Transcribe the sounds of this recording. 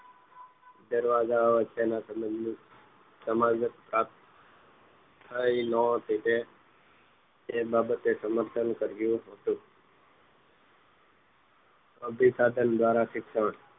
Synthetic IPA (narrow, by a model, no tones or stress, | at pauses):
d̪əɾʋazaʋət͡ʃːena | səmad͡ʒət̪pɾat̪ | t̪ʰːəinɔt̪it̪e | ebabət̪esəməɾt̪ʰənkəɾɡjũɦot̪ũ | əbʱisad̪ənd̪ʋaɾasɪksəɳ